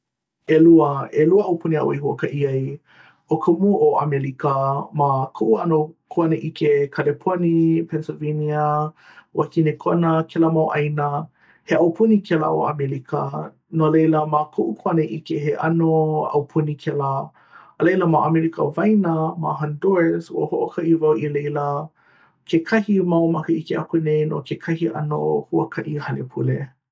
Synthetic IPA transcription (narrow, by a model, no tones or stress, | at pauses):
eluəeluəʔɐwpʰunia̰ʔw̰ihuəkɐʔiɐj | okʰəmuʔoʔamelikəmakʰuʔuɐnokʰoɐnəʔikʰekʰalepʰonipʰɛnsoveniə | wʔakinekʰoɐnəkʰɛləmawʔɐjnə | heʔɐwpʰunikʰɛlə̰o̰ʔa̰melikʰə̰ | nolejləmakʰoʔukʰaneʔikeheʔɐ̰noɐ̰wpʰunikʰɛlə | əlejləmaʔamɛɾikə̰vɐjnɐma̰ɦandoɹshuəhoʔokʰɐʔivɐwilejlɐ | kʰekʰɐhimɐwmɐkəikeʔakunejno̰kekʰɐhiʔɐ̰no̰huə̰kʰɐʔihɐlepʰṵle